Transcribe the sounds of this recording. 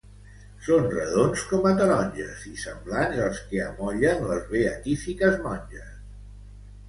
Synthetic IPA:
sonrəðonskɔmət̪əɾɔnʲʒəzisəmblanzəlˠskeəmɔʎənləzβeət̪ifikəzmɔnʲʒəs

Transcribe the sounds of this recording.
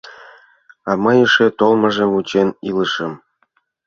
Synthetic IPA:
ɑmɤjɤʃĕt̪olˠmɤ̆ʒĕmut͡ɕenilɤ̆ʃɤ̆m

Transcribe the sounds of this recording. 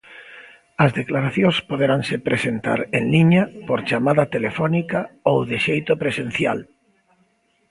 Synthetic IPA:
ɐzðeklaɾaθjõspoðeɾaŋsepɾesent̪a̰ɾeŋliɲapoɾt͡ʃamaðɐt̪elefɔnikaowðeʃejt̪opɾesen̟θja̰l

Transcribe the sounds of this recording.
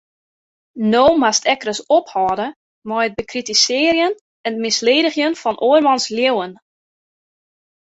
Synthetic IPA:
noːmastɛkrəsophɔːdə | mɔjət̚bəkritisɪːərjən | ɛndmɪsleːdəxjənfɔnʔoərmɑnsljewən

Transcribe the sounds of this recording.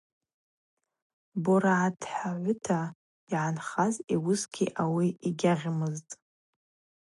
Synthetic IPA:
boɾaʕadħaʕʷʊtʰa | iʕanχaziwʊsɡʲʰiʔawiiɡʲaʁʲmɨztʼ

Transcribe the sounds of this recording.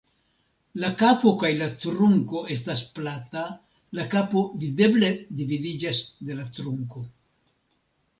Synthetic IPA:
lakapo̞kajlatɾuŋko̞ʔe̞s̬tasplata | lakapo̞vide̞ble̞dividid͡ʒasd̪e̞latɾuŋko̞

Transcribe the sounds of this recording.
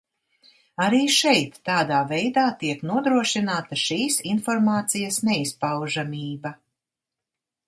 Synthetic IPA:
aɾiːʃɛjt̪ːaːd̪aːvɛjd̪aːt̪iɛknuɔd̪ɾuɔʃinaːt̪ɐʃiːsinfɔɾmaːt̪sijɐsnɛispawʒamʲiːbɐ

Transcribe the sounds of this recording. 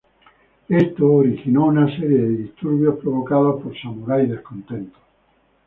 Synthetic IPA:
est̪oːɾixinɔunasɛɾjed̪id̪ist̪urbjopɾovokaːðapoɾsamuɾajd̪elkont̪ɛnt̪o̥

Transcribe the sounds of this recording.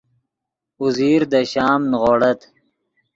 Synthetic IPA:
uziːɾd̪əɕɑːmnʁoːɽɐt̪

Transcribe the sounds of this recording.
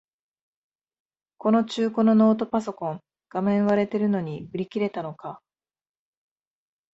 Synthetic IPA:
ko̞no̞t͡ɕɨːko̞no̞no̞ːt̪o̞paso̞kõ̞ŋ | ɡ̥amẽ̞ɰ̃βaɾe̞t̪e̞ɾɯ̟no̞ɲ̟iɯ̟ɾʲikʲiɾe̞t̪ano̞ka

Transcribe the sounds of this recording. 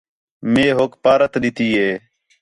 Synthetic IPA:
meːɦoːkpaːɾət̪ɗɪt̪iːɦeː

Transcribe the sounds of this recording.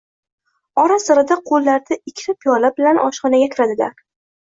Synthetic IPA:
ɒɾasɨɾɪd̪aqʰolːaɾd̪aɪkʲʰːt̪ʰapʰjɒlabɪlanʔɒ̰ʃqɒnaɡʲakʲʰɪɾad̪ɪla̰ɾ

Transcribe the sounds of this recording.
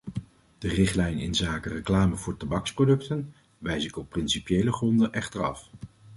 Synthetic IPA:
d̥ərɪχtlɛjnɪ̰nzaːkərəklaːməvʊːɹtabɑksprowdɵktən | ʋɛjsɪkɔpːrɪnsipjejləχrɔndənʔɛχtəɹɑ̰f

